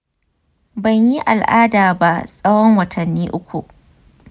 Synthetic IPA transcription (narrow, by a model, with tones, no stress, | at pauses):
bɐ˨ɲji˦ʔa˨lʔaː˦daː˨ba˦sʼɐ˦wɔ˦ŋwɐ˨tʰɐ˨nːiː˦ʔʊ˦kʷu˨ʔ